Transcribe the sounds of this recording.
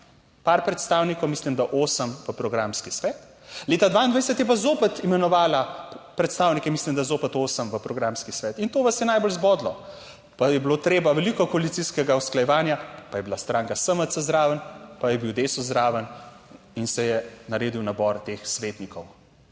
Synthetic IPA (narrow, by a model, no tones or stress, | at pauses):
paɾpɾɛt̪st̪aːwnikɔwmislimd̪aʔoːsəmʋəpɾɔɡɾamskisʋɛːt̪ | leːt̪ad̪ʋaind̪ʋajsɛt̪jɛp̬azoːpɛt̪imɛnɔʋaːlapɾɛt̪st̪aːwnikɛmislimd̪ajɛzoːpɛt̪oːsəmʋəpɾɔɡɾaːmskisʋɛːt̪int̪oːʋasjɛnajbolzbɔːd̪lɔ | pajɛblot̪ɾeːbaʋɛlikɔkɔalit̪siskɛɡawsklajɛʋaːnjapajɛbilast̪ɾaːŋkasəmət̪səzd̪ɾaːʋənpajɛbiwd̪eːsɔzd̪ɾaːʋən | insɛjɛnaɾeːd̪iwnabɔɾt̪eːxsʋeːt̪nikɔw